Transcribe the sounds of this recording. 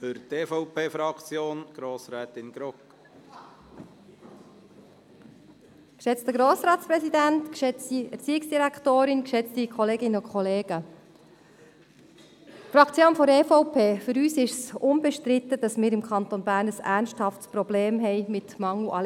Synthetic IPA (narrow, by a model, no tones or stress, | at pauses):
fʏɾteːfɔʊpʰeːfɾɑkt͡sjoːnɡ̥ɾoːsɾɛːt̪ɪnɡ̥ɾɔk | kʃɛt͡stəɡɾoːsɾɑːtspɾɛsidæntkʃɛt͡stiɛɾt͡siːɪksd̥iɾæktoːɾɪnkʃɛt͡stikʰχɔleːɡɪnəʊkʰχɔleːɡ̥ə | frɑkʰt͡sjoːnfɔɾefɔʊpʰeːfʏɾyːsɪʃsʊnbɛʃtɾɪt̪ːəd̥ɑsmɪːɾɪmkʰɑnt̪onbæːɾnəsæːɾnʃthɑftsprɔbleːmɦɛɪmɪtmɑŋluʔɑl